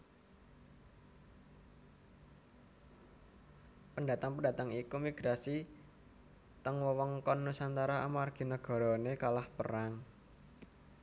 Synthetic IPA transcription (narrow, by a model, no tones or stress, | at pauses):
pəɳda̤t̪aŋpundat̪əŋikumiɡ̥ɾasi | t̪əŋwəwɔŋkɔnːusant̪aɾaa̰marɡ̥i̤nəɡ̥ɔ̤ɾɔnekalahpəɾaŋ